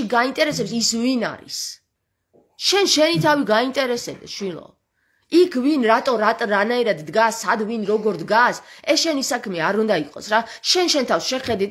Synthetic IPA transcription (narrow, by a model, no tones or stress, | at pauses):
iɡaint̪ʼɛɾɛsɛpsisvina̰ɾḭs | ʃɛnʃɛnit̪ʰaviɡaint̪ʼɛɾɛsɛb̚d̪ɛ̰ʃwilɔ̰ | ikʰvinɾat̪ʼɔɾat̪ʼɾanaiɾad̪ːɡasːad̪vinɾɔɡɔɾd̪ɡasɛsʃɛnisakʰmɛaɾund̪aiqʼɔ̰sɾaʃɛnʃɛnt̪ʰafsʃɛχɛd̪it̪